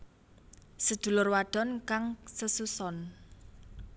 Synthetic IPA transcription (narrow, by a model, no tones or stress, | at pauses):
səd̪̥ṳlʊrwaɖ̥ɔ̤nkaŋsəsusɔn